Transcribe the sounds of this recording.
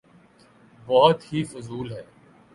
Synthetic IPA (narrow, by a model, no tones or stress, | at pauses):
bɔːt̪hifʊzuːlɦɛː